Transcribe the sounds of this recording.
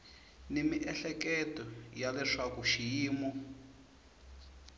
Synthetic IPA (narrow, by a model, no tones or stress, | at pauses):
nemiʔɛɬɛkɛtɔjalɛʂakuʃijiːmu